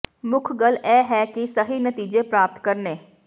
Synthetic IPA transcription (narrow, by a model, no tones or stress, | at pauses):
mʊkʰɡəlɛːɦɛːkɪsəɦinət̪iːd͡ʒeːpɾaːp̚t̪kəɾnẽː